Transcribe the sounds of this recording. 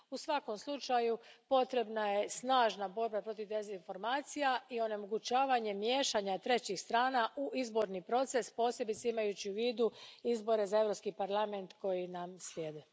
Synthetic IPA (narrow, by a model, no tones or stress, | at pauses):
usʋako̞mslˠut͡ʃajupo̞t̪ɾe̞bnaje̞snaːʒnabo̞ɾbapɾo̞t̪iʋd̪e̞zinfo̞ɾmaːt̪sijaio̞ne̞mo̞ɡut͡ɕaːʋaɲe̞mje̞ːʃaɲat̪ɾe̞t͡ɕixst̪ɾaːnaʔuʔizbo̞ɾnipɾo̞t̪se̞spo̞ːsje̞bit̪seimajut͡ɕiuʋiːd̪uizbo̞ɾe̞zae̞vɾopskipaɾlˠame̞nt̪ko̞jinamslʲjeːd̪e